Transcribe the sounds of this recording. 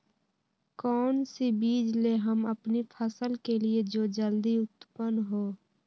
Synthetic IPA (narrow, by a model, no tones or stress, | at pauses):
kɔːnsibiːd͡ʒleɦəməpnipʰəsəlkelied͡ʒoːd͡ʒəld̪iʊt̪pənɦoː